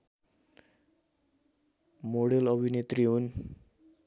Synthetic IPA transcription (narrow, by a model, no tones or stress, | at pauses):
moɽelʌbʱinet̪riɦun